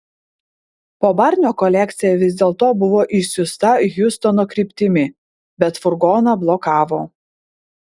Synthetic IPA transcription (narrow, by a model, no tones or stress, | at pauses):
poːbɑɾʲnʲoːkɔlʲɛk̚ʲt̪sʲɪjɛʋʲɪzʲd̪ʲeːlˠt̪oːbʊʋoːʔɪʃsʲʊst̪ɐjʊst̪ɔnoːkɾʲɪpʲt̪ʲɪmʲɪ | bʲɛt̪fʊɾɡoːnɑblˠɔkɑːʋoː